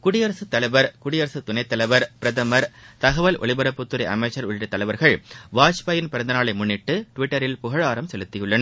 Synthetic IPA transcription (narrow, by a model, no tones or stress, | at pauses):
kʊɽɪjɐɾɐsɯt̪ːɐlɐɪʋɐɾkʊɽɪjɐɾɐsɯt̪ʊnɐɪt̪ːɐlɐʋɐɾpɪɾɐðɐmɐɾt̪ɐɣɐʋɐlʔɔ̰ɭɪbɐɾɐpːʊt̪ːɯɾɐʔɐmɐɪt͡ʃːɐɾʊɻɪʈɾɐt̪ːɐlɐɪʋɐɾɣɐɭʋaːt͡ʃpɐːjɪnpɪɾɐnd̪ɐnaːɭɐɪmʊɳːɪʈːɯʈʋɪʈːɐɾɪlpʊɣɐɻaːɾɐmsɛlɯt̪ːɪjɯɭːɐnɐ